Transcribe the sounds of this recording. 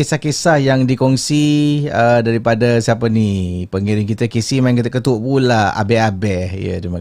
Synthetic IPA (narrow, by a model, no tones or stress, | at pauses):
esahkesahjaŋdikɔŋsiədaɾipadasiap̬ənipəŋiɾɪŋk̬it̪əkisimãiŋkit̪əkət̪uʔpulaa̰bɛabɛjə̰dima